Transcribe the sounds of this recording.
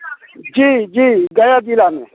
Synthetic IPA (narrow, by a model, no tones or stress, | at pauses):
d͡ʒiːd͡ʒiːɡɐjaːd͡ʒilaːmẽ